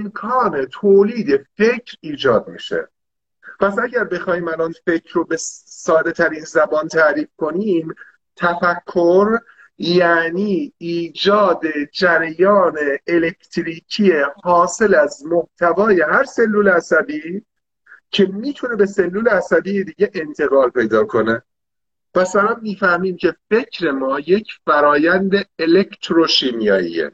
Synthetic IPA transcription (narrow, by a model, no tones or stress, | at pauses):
emkʰɒːnet̪ʰoːliːd̪e̞fe̞cʰɾiːd͡ʒɒːd̪̚mḭːʃḛ | pʰæsæɟæɾbe̞xɒːhiːmælɒːnfe̞cʰɾobe̞sɒːd̪e̞t̪ʰæɾiːnzæbɒːnt̪ʰæɾiːfko̞niːm | t̪ʰæfækʰːoɾ | jæːniːiːd͡ʒɒːd̪ed͡ʒæɾæjɒːne̞ːle̞ct̪ʰɾiːcʰie̞hɒːse̞læzmoht̪ʰævɒːje̞ɦæɾse̞lːuːleæsæbiː | cʰe̞miːt̪ʰune̞be̞se̞lːuːleæsæbiːjed̪iːɟe̞ʔent̪ʰe̞ɣɒːlpe̞jd̪ɒːkʰo̞ne | pæsælænːiːfæhmiːmcʰe̞fe̞cʰɾe̞mɒːje̞cʰfæɾɒːjænd̪e̞elect̪ʰɾoʃinijɒːḭːḛ